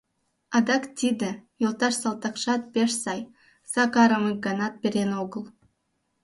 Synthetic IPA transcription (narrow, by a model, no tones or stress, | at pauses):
ɑd̪ɑkt̪ʲid̪ĕjolˠt̪ɑʃsɑlˠt̪ɑkʃɑt̪̚peʃsɑj | sɑkɑɾəmək̚ɡɑnɑt̪̚pʲeɾenoɣəlˠ